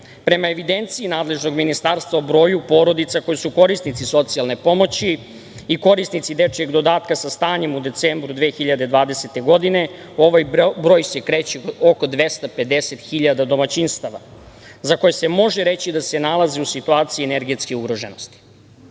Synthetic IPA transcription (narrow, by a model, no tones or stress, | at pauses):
pɾe̞mae̞ʋid̪ent̪siinaːd̪le̞ʒno̞ɡminist̪aːɾst̪vʋaobɾo̞ːjupo̞ːɾo̞d̪it̪sakojisuko̞ɾist̪nit̪siso̞t̪sijalne̞po̞mo̞t͡ɕi | iko̞ɾist̪nit̪sid̪e̞t͡ʃjeɡd̪o̞d̪aːt̪kasast̪aːɲe̞mud̪e̞t̪seːmbɾud̪ʋeːxiʎad̪e̞d̪ʋaːd̪e̞set̪e̞ɡo̞d̪ine̞ | o̞ʋajbɾo̞ːjse̞kɾeːt͡ɕio̞ko̞d̪ʋe̞st̪aped̪e̞set̪xiʎad̪ad̪o̞mat͡ɕinst̪aʋa̰ | zako̞jese̞mo̞ʒeɾe̞t͡ɕid̪ase̞nalˠazeusit̪uaːt̪siieneɾɡet̪skeuɡɾoʒeno̞st̪i̥